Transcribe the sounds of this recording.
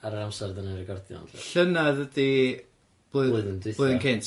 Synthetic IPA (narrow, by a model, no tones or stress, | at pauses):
aɾəɾamsɛrdənarɛɡɔrdjɔ̰nɬənaðədi | b̥oːɨðoɨðəndwɪboːɨððənkʰentʰ